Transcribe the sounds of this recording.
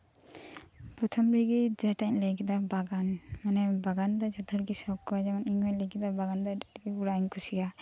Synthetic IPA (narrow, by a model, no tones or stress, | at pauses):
pɾɔt̪ʰɔmɾiɡid͡ʒɛʈaɲlɛɡɛd̪abaɡanmanɛbaɡand̪ɔd͡ʒɔd̪ʰʱɔɾɡisɔkːɔad͡ʒamaniŋɔjlɛɡid̪abaɡand̪ɔdaʈɡibuɾankʰusia